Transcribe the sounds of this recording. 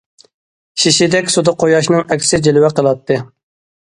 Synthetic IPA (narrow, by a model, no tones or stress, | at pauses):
ʃiʃid̪ɛkʲsud̪ɑqʰojɑʃnɨŋɛkʲsɪd͡ʒelwɛqəlˠɑt̪ʰːɨ